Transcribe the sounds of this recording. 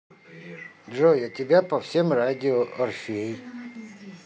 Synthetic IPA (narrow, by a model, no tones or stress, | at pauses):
dʐojat̪ʲɪbʲapɐfsʲemɾadʲɪoʔɐrfʲej